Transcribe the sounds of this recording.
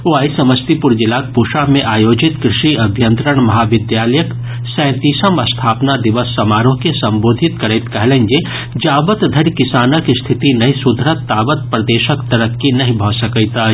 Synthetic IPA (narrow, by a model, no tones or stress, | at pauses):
oaːisɐməst̪ipuɾd͡ʒilaːk̚puːʃamẽʔaːjoːd͡ʒɪt̪kɾɪʃiɐbʱjə̃nt̪ɾəɽ̃mɐɦaʋɪd̪jaːləjək | sɛ̃ːt̪isəmɐst̪ʰaːpnad̪iʋəsːɐmaːɾõkesɐmboːd̪ʱɪt̪kɐɾəjt̪kɐɦlənd͡ʒe | d͡ʒaːbət̪d̪ʱəɾkɪsaːnəkst̪ʰɪt̪inɐɦĩsud̪ʱɾət̪ːaːbət̪̚pɾɐd̪eːʃəkt̪ɐɾəkːinɐɦĩbʱɔsɐkəjt̪a